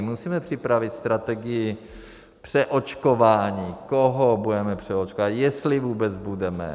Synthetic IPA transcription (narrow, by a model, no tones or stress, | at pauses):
musiːmɛpr̥ɪpɾavɪt̪st̪ɾat̪ɛɡɪjɪ | pr̥ɛʔot͡ʃkovaːɲiːkoɦobudɛmɛpr̝̥ɛot͡ʃkovat̪jɛst̪lɪvuːbɛd͡zbudɛmɛ̰